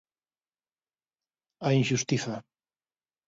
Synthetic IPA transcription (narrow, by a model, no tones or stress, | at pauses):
ainʃust̪iθa